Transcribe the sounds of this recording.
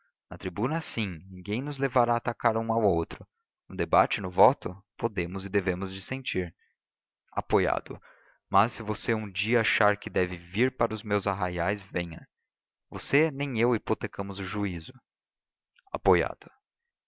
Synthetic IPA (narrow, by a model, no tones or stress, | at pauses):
nɐt̪ɾibũnɐɛsĩnĩŋɡẽj̃nʊzlevaɾaːt̪akaɾũawowt̪ɾʊ | nʊd̪eba̰t͡ʃɪnʊvɔt̪ʊpod̪ẽmʊzɪd̪evẽmʊzd͡ʒɪsẽnt͡ʃiɾ | a̰poja̰d̪ʊ̰ | mɐsːɪvoseũd͡ʒiɐaʃaɾkɪd̪ɛvɪviɾpaɾɐʊzmewzaɦajajzvẽɲɐ | vosenẽj̃ewipot̪ekɐ̃mʊzʊʒuizʊ | a̰poja̰d̪̥ʊ